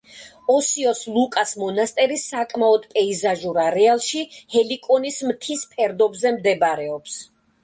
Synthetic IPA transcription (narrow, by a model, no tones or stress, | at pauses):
ɔsiɔslˠukʼasmɔnast̪ʼɛɾisakʼmaɔd̪pʼɛizaʒuɾaɾɛalˠʃihɛlikʼɔnismt̪ʰispʰɛɾd̪ɔbzɛmd̪ɛbaɾɛɔps